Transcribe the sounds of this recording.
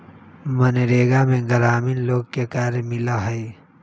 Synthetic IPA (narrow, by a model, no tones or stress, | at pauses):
məneɾeːɡamẽɡəɾaːminloːɡ̚kekaːɾemɪlaɦɛe